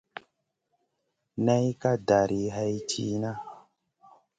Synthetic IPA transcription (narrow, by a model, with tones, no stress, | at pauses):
na˦jka˦da˨ɾʔi˨ɦa˦jt͡ʃi˦na˦